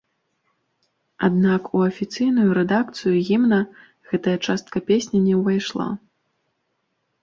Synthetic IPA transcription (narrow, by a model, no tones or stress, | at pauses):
ad̪nakuɐfʲit̪sɨjnujuɾɛd̪akt̪sɨjuɣʲimnɐ | ɣɛt̪ɐjɐt͡ʂast̪kɐpʲesʲnʲɛnʲɛwvajʂlˠa̰